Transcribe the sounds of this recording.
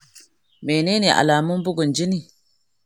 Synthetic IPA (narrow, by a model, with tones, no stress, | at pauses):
me˨neː˦ni˨ʔa̰˨laː˨mʊ˦mbʊ˦ɡʊ˨nd͡ʒi˦ni˨